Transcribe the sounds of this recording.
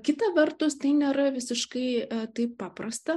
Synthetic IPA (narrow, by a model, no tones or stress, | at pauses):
kʲɪt̪ɐʋʲɛrt̪ʊst̪ɐɪnʲeːɾɐʋʲɪsʲɪʃkɐɪt̪ɐɪppɑːprɐst̪ɐ